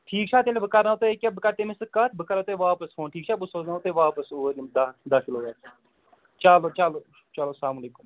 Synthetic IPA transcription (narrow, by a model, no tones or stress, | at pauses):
ʈʰiːk̚t͡ʃʰaːt̪elebəkaɾnat̪oekʲabəkaɾt̪emisɨkːat̪ʰbəkaɾat̪oʋaːpəsfʰoːnʈʰiːkt͡ʃʰaːbusoːznaot̪oʋaːpəsoːɾimd̪ad̪aːkiloːʋaːs | t͡ʃaːlot͡ʃaloː | t͡ʃɐloːslaːmuleːkum